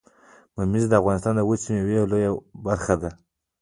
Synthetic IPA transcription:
mamizd̪əafɣɑnɪs̬t̪ɑnd̪əwət͡simewelojabaɾxad̪a

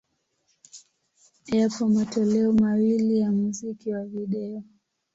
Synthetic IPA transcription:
japɔmatɔlɛɔmawilijamuzikiwaviɗɛɔ

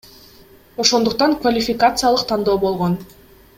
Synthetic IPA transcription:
o̞ʃo̞nd̪uq̚t̪ɑŋkvalʲɪfʲɪkat̪sɨjalˠɯqt̪ʰɑnd̪o̞ːbo̞lˠʁo̞n

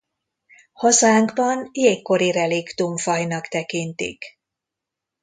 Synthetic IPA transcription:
hɒzaːŋɡbɒnjeːkːo̞ɾirɛlikt̪umfɒjnɒkt̪ɛkint̪ḭk

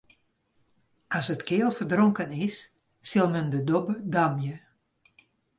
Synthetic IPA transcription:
asətkɪːlˠfərdroŋkənɪsː | ɪlˠməndədobədamjə

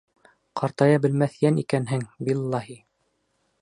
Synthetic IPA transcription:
qʰɑɾt̪ɑjɑbɘ̆lmæθjænikænɦɘŋbilˠːɑhi

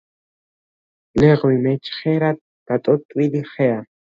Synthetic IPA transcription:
leχwimet͡ʃχeɾaː | at̪ʼot̪ʼwiliχea

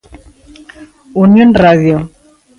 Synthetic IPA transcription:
unjonraðjo

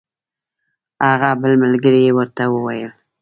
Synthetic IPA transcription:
aɣabəlməlɡəɾijewəɾt̪awəwajəl

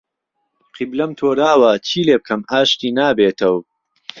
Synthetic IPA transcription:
qʰiblɐmt̪ʰoːɾaːwɐt͡ʃʰiːleːb̚kʰɐmaːʃt̪iːnaːbeːt̪ʰɐw

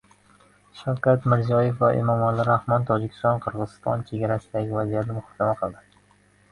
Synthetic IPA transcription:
ʃawkʲat̪mɪɾzijɒjefvaʔḛmɒmalɪɾahmɒnt̪ʰɒd͡ʒɪkʲʰɪ̥st̪ɒnqʰɨɾʁɨzɪst̪ɒ̰nt͡ʃʰe̞ɡʲaɾasɪd̪aɡʲɪvazijat̪nɪmʊhɒ̥kʲʰːamaqʰɨlˠd̪ɪ

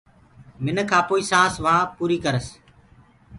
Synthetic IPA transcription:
mɪnkʰãːpoːiːsãːsʋãːpuːɾiːkəɾəs

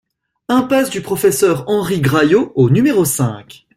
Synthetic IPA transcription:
ɛ̃pasd̪ypχɔfɛsœʁɑ̃ʁiɡʁajoonymeʁosɛ̰̃kʲ

